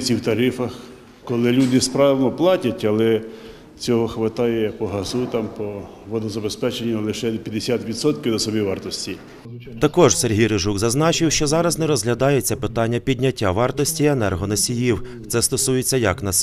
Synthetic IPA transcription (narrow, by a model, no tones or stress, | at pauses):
t͡sʲiwt̪ɐɾɪfɐx | kɔlˠɪlʲud̪ɪspɾɑʋnɔplˠɑtʲɐtʲɐlˠɛ | t͡sʲɔɦɔxʋɪt̪ɑjɛpɔɦɐzut̪ɑmpɔ | ʋɔd̪ɔzɐbespɛt͡ʃenʲːɐlˠɪʃɛpʲjɐd̪esʲat̪ʋʲid̪sɔt̪kɪwd̪ɐsɔbʲiʋɑrt̪ɔsʲtʲi | t̪ɐkɔʒserɦijɾɪʒukzɐznɑt͡ʃɪwʃt͡ʃɔzɑɾɐznɛɾɔzɦlʲɐd̪ɑjet͡sʲːɐpɪt̪ɑnʲːɐpʲidʲnʲɐtʲːaʋɑrt̪ɔsʲtʲienɛrɦɔnɐsʲijiw | t̪sɛst̪ɔsujet͡sʲːɐjɐknɐs